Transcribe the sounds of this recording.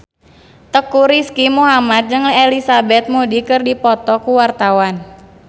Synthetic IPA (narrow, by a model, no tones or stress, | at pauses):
t̪əkuɾiskimuɦamat̪̚d͡ʒɨŋlelisabɛt̪̚mudikɨrdipɔt̪ɔkuwart̪awan